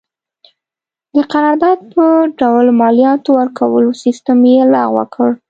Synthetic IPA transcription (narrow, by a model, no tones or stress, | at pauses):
d̪̥əqaɾɑɾd̪ɑd̪̚pəɖawlmɑlijɑt̪owəɾkʰawəlosist̪əmjelɑ̰ɣwə̰kəɽ